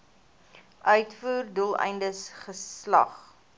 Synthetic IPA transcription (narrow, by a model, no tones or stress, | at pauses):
ʔœɥtfuːrdulˠɛ̰jndəsχəslɐ̰χ